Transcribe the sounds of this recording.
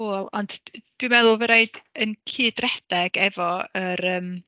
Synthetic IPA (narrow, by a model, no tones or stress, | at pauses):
oːlˠɔnd̥d̥wiɨmɛðʊlˠvəɾeɨdənkʰiːd̥rɛd̥ɛɡ̥ɛvɔəɾəːm